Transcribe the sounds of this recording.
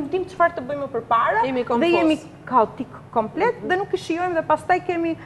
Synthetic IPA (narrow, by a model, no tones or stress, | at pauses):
d̪imt͡ʃfaɾt̪əbəjməpəɾpaɾajɛmikɔðɛjɛmi | kaɔt̪ikːɔmplɛt̪ðɛnukːiʃjɔjmðɛpast̪ajkɛmi